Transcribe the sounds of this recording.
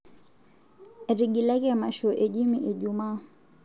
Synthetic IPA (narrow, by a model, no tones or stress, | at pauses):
ɾiɡilakɛamaʃɔʔɛʄimiʔiʄumaː